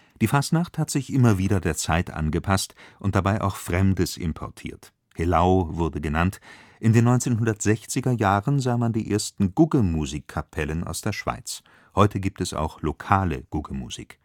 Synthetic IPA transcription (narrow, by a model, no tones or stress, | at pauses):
d̥iːfastnaχthatz̥ɪçʔɪmɐviːɾɐdeːɐt͡saɪtʔa̰nɡəpʰastʔʊnt̚d̥abaɪʔa̰ʊxfʁ̥ɛmdəsʔɪ̰mpʰɔ̰ɐtʰḭːɐt | helaʊvʊɐdəɡənantʔɪndeːnːɔʏnt͡seːnɦʊndɐtz̥ɛçt͡sɪɡɐjaːʁənzaːmandiːʔeːɐstn̩ɡʊɡəmuziːkʰːapʰɛlənʔa̰ʊsd̥eːɐʃv̥a̰ɪt͡s | hɔʏtʰəɡiːp̚tɛsa̰ʊxlokʰaːlə̰ɡ̥ʊɡəmṵz̥ḭːk